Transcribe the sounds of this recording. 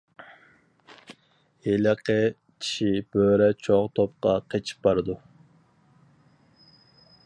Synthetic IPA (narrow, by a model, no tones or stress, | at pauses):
eləqʰə | t͡ʃʰi̥ʃib̥øɾɛt͡ʃʰoʁt̪ʰop̚qɑqʰet͡ʃʰi̥p̚bɑɾɨd̪u